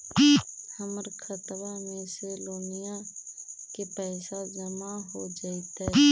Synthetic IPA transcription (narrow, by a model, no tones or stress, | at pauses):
həməɾkʰət̪ʋamẽseloːnija | kepɛːsad͡ʒəmaɦod͡ʒaːit̪ɛ